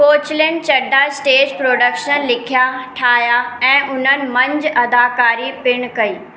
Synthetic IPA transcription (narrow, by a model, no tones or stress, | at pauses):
koːt͡ɕɪljənɪ̆t͡ɕɐɖʱaɪsʈeːd͡ʑpɾoːɖəkʃənlɪkʰjaʈʰaːjaɛ̃ːʔʊn̤ənɪ̆mɐ̃ɲd͡ʑɐd̪aːkaːɾipɪɽ̃kɐiː